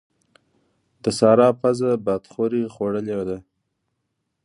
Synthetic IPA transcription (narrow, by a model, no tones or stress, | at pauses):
d̪̥əsɑɾɑpazabad̪χoɾixoɽəljwd̪a